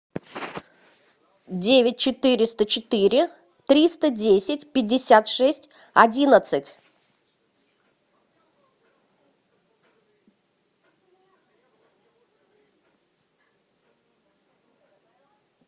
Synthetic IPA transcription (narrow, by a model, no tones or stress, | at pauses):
dʲevʲɪt̚ʲt͡ɕɪt̪ɨɾʲɪst̪ət͡ɕɪt̪ɨɾʲɪ | t̪ɾʲist̪ədʲesʲɪtʲpʲɪdʲːɪsʲat̪ʂɛsʲtʲ | ɐdʲinət̪sɨtʲ